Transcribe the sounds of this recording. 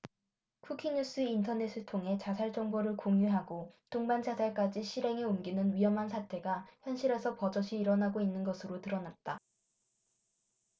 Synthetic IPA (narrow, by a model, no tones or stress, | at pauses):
kʰukʰiɲus͈ɯintʰʌne̞s͈ʰɯɭtʰoŋɦe̞t͡ɕasʰaɭt͡ɕ͈ʌŋboɾɯɭkoŋjuɦaɡotoŋband͡ʑʰasʰaɭk͈ad͡ʑiɕʰiɾɦe̞ŋeomɡinɯnɥiɦʌmɦansʰatʰe̞ɡaçjʌnɕʰiɾe̞sʰʌpʌd͡ʑʌɕʰiːɾʌnaɡoinːɯnɡʌsʰɯɾotɯɾʌnat̚t͈a